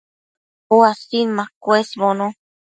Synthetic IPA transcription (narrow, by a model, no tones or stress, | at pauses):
oasinmãkwesβonõ